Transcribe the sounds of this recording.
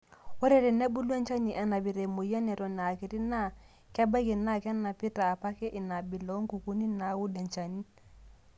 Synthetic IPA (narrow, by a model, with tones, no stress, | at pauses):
wɔ˦ɾɛ˨ɾe˨nɛ˦bu˦lu˦ɛ˦nt͡ʃa˦ni˨ʔa˨na˨bi˨ɾe˨mo˨ja˦nɛ˨ɾɔ˨na˨a˨ki˨ɾi˦na˦ | kɛ˦ba˦ke˨na˦˨kɛ˦na˨pi˦taː˨pa˦ke˦ʔɪ˨na˨bi˨lɔ˨˦ŋ˦ku˨ku˦ni˦na˨˦wu˦da˨nt͡ʃa˨ni˦